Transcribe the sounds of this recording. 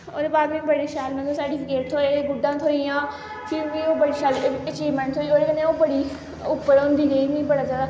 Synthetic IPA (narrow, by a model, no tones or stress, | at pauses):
oːd̪eːbaːd̪mĩbəɽeːʃaːlmɛ̃noːsəːɾʈɪpʰɪkeːʈ̚t̪ʰoːeɡʊɖãːt̪ʰoːijãː | fʰilmʋĩːoːbəɽiːʃaːlət͡ʃiːʋmɛ̃ɳʈt̪ʰoːioːɾeːkəneãobəɽiː | ʊpːəɾond̪iːɡeːnĩbəɽaːd͡ʒjaːd̪aː